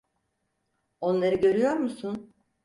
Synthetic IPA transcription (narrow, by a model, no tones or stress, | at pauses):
o̞nlˠaɾɯɟø̞ɾyjo̞ɾmusun